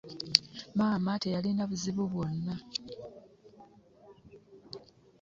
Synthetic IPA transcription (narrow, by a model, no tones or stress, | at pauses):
maːmate̞jalinaβuziβuβwo̞nːa